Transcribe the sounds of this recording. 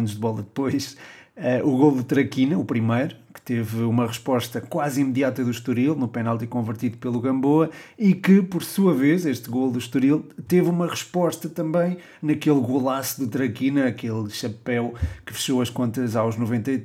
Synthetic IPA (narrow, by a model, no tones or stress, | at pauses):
nuʒðɨβɔlˠɐðɨpojʃɛʔuɣolˠd̪ɨt̪ɾɐkinɐupɾimɐjɾukɨ̥t̪evumɐʁɨʃpɔʃt̪ɐkwazimðiat̪ɐðuʃt̪uɾilˠnupɛnalˠt̪ikõvɨɾt̪iðupelˠuɣɐ̃mboɐikɨpɔɾsuɐvezeʃt̪ɣolˠd̪uʃt̪uɾilˠt̪evumɐʁɨʃpɔʃt̪ɐt̪ɐ̃mbɐ̃j̃ | nɐkelˠɣulˠasuðut̪ɾɐkinɐɐkelˠʃɐpɛwkɨ̥fɨ̥ʃoɐʃkõnt̪ɐzawʒnuvẽnt̪ɐ